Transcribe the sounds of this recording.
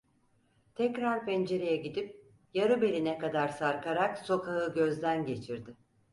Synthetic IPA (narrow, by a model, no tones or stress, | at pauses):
t̪ʰɛcɾaɾpʰɛnd͡ʒe̞ɾejɛɟid̪ip̚ | jaɾɯbe̞lʲinɛkad̪aɾsaɾkʰaɾakso̞kʰaɦɯɟø̞zd̪ænɟe̞t͡ʃʰiɾd̪ɪ